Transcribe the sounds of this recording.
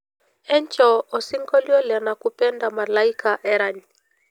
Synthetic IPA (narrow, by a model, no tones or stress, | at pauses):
ɛɲt͡ʃɔɔsiŋɡɔliɔlɛnakupɛndamalaikaʔɛɾaɲi